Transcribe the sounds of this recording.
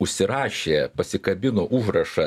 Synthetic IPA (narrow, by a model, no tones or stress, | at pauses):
ʊʃʲsʲɪɾɑːʃʲeːpɐsʲɪkɐbʲɪnoːʔuːʒɾɐʃɐ